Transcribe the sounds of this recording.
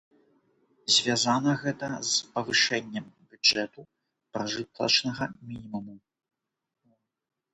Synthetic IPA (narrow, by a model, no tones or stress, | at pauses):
zʲvʲazanɐɣɛt̪ɐzpɐvɨʂɛnʲːɛmbʲud͡ʐɛt̪u | pɾɐʐɨt̪lˠɐ̰t͡ʂnɐɣɐmʲinʲimumu